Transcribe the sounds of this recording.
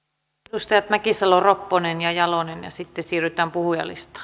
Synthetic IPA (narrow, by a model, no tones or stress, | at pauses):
ust̪ɑjɑt̪mækisɑloropːonenjɑjɑlonenjɑ̰sit̪ːesiːryt̪æːmpuhujɑ̰lḭst̪ɑ̥